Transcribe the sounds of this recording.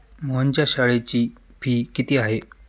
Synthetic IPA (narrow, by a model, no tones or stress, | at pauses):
moəɲt͡ɕaɕəɭet͡ɕiːpʰiːkit̪iːaɦe